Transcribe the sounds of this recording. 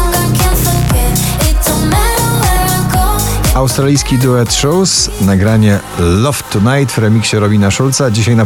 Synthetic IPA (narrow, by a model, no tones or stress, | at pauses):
kaskɛɪtsəmɛɾəwɛãɡoawst̪ɾalʲijskʲid̪uɛt̪ʂɔwsnaɡɾaɲɛ | lɔft̪ʰːunajt̪vɾɛmʲikɕɛɾɔbʲinaʂult̪sad͡ʑiɕajna